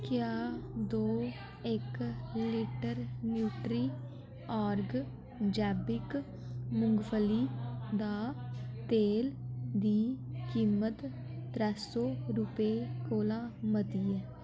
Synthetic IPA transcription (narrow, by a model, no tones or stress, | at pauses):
kɪjaːd̪oː | ɪkliʈəɾnjuːʈɾiː | aːɾɡ | d͡ʒɛːbɪk | mʊŋɡpʰəliːd̪aːt̪eːld̪iːkiːmət̪ː | ɾɛːsoːɾʊpekoːlaːmət̪iːɛː